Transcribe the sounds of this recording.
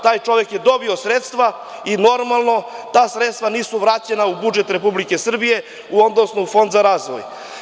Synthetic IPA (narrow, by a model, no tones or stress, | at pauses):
t̪aːjt͡ʃo̞ʋjekjed̪o̞bio̞sɾet̪st̪ʋa | ino̞ɾmalˠno̞t̪aːsɾet̪st̪ʋaniːsuʋɾaːt͡ɕenaubud͡ʒe̞t̪ɾepublike̞sr̩bije̞ | uod̪no̞snufo̞nd̪zaɾaːzʋo̰j